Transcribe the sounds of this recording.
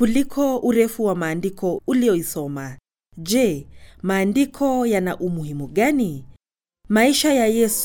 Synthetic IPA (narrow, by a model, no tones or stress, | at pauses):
kulikʰɔuɾɛfuwamaːndikʰɔulijɔisɔma | ʄɛmaːndikʰɔjanaʔumuhimuɠani | maiʃajajɛs